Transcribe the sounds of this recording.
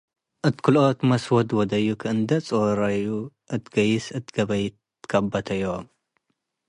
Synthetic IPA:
ʔɨt̪kʰɨlot̪mɐswɔd̪wɔd̪ɐjːukʰɨʔɨnd̪ɐt͡sʼoɾɐju | ʔɨt̪ɡɐjːɪsɨt̪ʰɡɐβɐj | kʰɐbɐt̪ʰɐjːo

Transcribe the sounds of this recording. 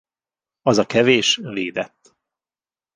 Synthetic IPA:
ɒzɒkɛveːʃveːd̪ɛt̪ː

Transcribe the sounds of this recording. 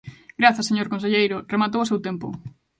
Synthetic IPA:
ɡɾaθaseɲoɾkons̬eʎejɾʊremat̪̬owʊsewt̪empʊ̰

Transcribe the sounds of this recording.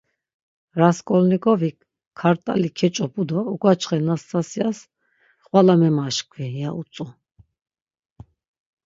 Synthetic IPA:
ɾaskʼɔlnikɔvi | kʰːaɾt̪ʼa̰likʰɛt͡ʃʼɔpʼud̪ɔukʼwat͡ʃʰχɛnast̪ʰʼasias | χʼwalamɛmaʃkʰwijausʼu

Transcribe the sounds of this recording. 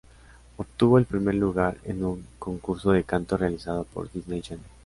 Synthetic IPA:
opt̪uβo̞e̞lpɾime̞ɾluɣaɾḛnuŋko̞ŋkuɾso̞ð̞e̞kant̪o̞realisað̞o̞po̞̰ɾd̪iznejd͡ʒanel

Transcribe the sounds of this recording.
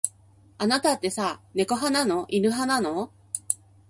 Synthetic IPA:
anat̪at̪ːe̞sane̞ko̞ɦananoʔinɯ̟ɦanano

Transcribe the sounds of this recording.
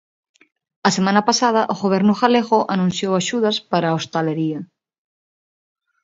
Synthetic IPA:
ɐsemãnapasað̞ɐʔoɣoβ̞eɾnuxaleɣoʔanũn̟θjowaʃuðaspaɾaost̪aleɾiɐ

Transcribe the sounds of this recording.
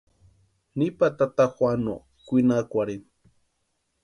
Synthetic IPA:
nipat̪at̪axwʷano̰ | kʷinakʷaɾin

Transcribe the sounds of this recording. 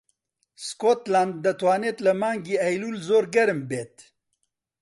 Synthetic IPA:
skot̪land̪ːɐt̪waːnet̪lɐmaːŋɡiɐjlulzoːɾɡɐɾmbeːt̪

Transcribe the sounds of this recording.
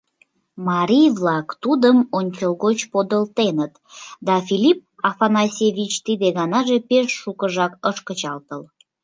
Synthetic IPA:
mɑɾʲijβlɑkt̪ud̪əmonʲt͡ɕəlɣot͡ɕpod̪əlt̪enət̪d̪ɑfilip̚ɑfɑnɑsʲevʲit͡ɕt̪id̪eɣɑnɑʒepeʃːukəʒɑkəʃkət͡ɕɑlt̪əl

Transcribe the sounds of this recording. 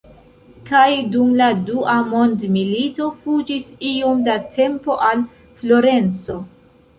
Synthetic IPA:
kajdumladuʔamo̞ndmilito̞fud͡ʒisiomdatʰe̞mpo̞ʔal | flo̞ɾe̞nt͡so̞

